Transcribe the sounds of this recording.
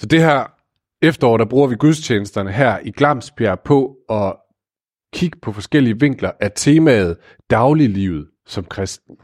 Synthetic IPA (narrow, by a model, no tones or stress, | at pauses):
sɒ̽d̥e̝ɦæɐ̰ | efd̥ɐɒ̰ːɾ̥æb̥ʁuːɐʋiɡ̥uð̞ˠst͡ɕʰeːnəsd̥ɐnəɦæɐ̰ʔiɡ̥lɑ̈m̰sb̥jæɐ̰pʰɒ̽ɒ̽ | kʰiɡ̥ə̥pʰɒ̽fɒ̽sɡ̥el̰iəʋe̝ŋ̰ɡ̥lɐʔæɐt͡sʰe̝ːmɛð̞̩ˠ | d̥ɑ̈ʊlilḭːʊð̞̩ˠ | sɒ̽mkʰʁɛsd̥n̩